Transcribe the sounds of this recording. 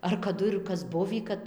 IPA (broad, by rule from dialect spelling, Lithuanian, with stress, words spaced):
ɐr kɐˈdʊ ɪr ˈkɐs ˈbʊʋʲiː ˈkɐt